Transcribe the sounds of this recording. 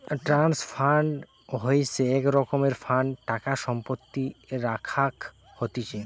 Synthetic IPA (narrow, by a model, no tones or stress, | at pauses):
ʈɾansfʰaɳɖ | ɦojsʰeɛkɾɔkomeɾfaɳɖʈakaʃɔmpot̪ːiɾakʰak | hot̪it͡ɕʰe